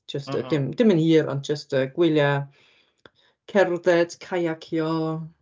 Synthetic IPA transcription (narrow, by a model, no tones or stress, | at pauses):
d͡ʒ̥əstʰə̰d̥ɪmd̥ɪməniːɾɔ̰ndd͡ʒəstəɡwɪlˠja | kʰɛrðɛd̥kʰajakʰjɔ